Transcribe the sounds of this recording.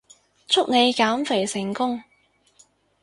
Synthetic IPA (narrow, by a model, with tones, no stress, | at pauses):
t͡sʰʊ˥k̚ne˨˧jkaː˨˥mfe˨˩jsɪ˨˩ŋkʊ˥ŋ